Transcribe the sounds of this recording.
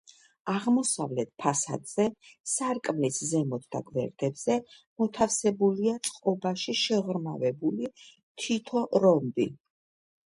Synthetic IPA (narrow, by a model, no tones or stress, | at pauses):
aʁmɔsavlɛt̪̚pʰasa̰d̪z̥ɛsaɾkʼmliszɛmɔt̪ʰd̪̥a̰ɡvɛ̰ɾd̪̥ɛbz̥ɛ | mɔt̪ʰafsɛbuliat̪sʼqʼɔbaʃiʃɛʁɾmavɛbuli | t̪ʰit̪ʰɔʔɾɔmbi